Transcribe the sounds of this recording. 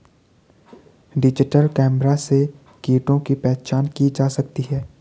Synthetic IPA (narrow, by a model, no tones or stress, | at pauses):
ɖɪd͡ʒɪʈəlkɛːmɾase | kiːʈõkipɛːt͡ʃaːnkid͡ʒaːsɐk̚t̪iɦɛː